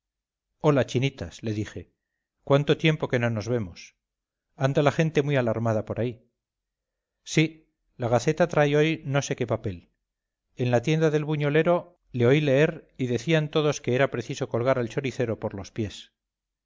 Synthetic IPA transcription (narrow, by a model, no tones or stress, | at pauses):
o̞lat͡ʃinit̪asle̞ðixe̞ | kwant̪o̞t̪je̞mpo̞ke̞no̞no̞zβe̞mos | and̪alaχe̞nt̪e̞mwialaɾmaðapo̞ɾai | si | laɣ̞aθe̞t̪at̪ɾajo̞jno̞se̞ke̞pape̞l | e̞nlat̪je̞nd̪aðe̞lβuɲo̞le̞ɾo̞ | le̞o̞ile̞e̞ɾiðe̞θiant̪o̞ðo̞ske̞eɾapɾe̞θiso̞ko̞lɣaɾalt͡ʃo̞ɾiθe̞ɾo̞po̞ɾlo̞spje̞s